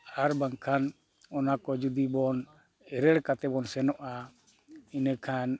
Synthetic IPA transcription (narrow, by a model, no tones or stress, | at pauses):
aɾbaŋkʰan | ɔnakɔd͡ʒud̪ibɔn | ɛɾɛɽkat̪ɛbɔnsɛnɔʔa | inɛkʰan